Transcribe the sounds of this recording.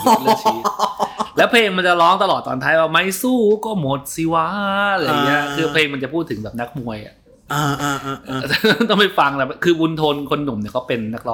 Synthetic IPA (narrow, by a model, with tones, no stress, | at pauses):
lːt͡ɕʰː | lɛː˦˥wpʰleː˧ŋma˧nt͡ɕa˨˩lɔː˦˥ŋt̪a˧lɔː˨˩t̪ːɔː˧nt̪ʰaː˦˥˩jwaː˧˩ma˦˥˩jsuː˥˩kɔː˥˩mo˨˦t̪̚si˨˧˦wa˦˥˧jni˦˥ɐkʰɯː˧pʰleː˧ŋma˧nt͡ɕa˨˩pʰuː˥˩t̪ʰːɯ˩˦ŋbɛː˨˩p̚na˦˥k̚mu˧əjʔa̰˨˩ | a˧˨˧t̪ɔ˥˩ŋma˥˩jfa˧ŋt̪ɛ˨˩˧kʰɯː˧bu˧nt̪ʰo˧nkʰo˧nːu˨˩˦mni˥˩kɔː˦˥˩pe˧nːa˦˥k̚lɔː˦